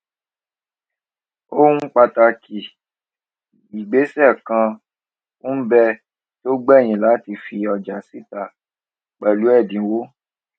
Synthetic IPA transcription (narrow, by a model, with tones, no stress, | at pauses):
o˦ũ˦k͡pa˧ta˧ki˨ | i˨ɡ͡be˨˦sɛ˦˨kã˧ | u˦bɛ˧ | to˦ɡ͡bɛ˦˨j̃ĩ˨˦la˨˦ti˧fi˧ɔ˨d͡ʒa˨si˦ta˧˨ | k͡pɛ˨lu˨˦ɛ˦˨dĩ˨˦wo˦